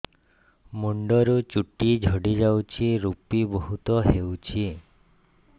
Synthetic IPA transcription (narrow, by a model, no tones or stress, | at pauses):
muɳɖɔɾut͡ʃuʈid͡ʒʱɔɽid͡ʒawt͡ʃʰiɾupibɔɦut̪ɔɦewt͡ʃʰi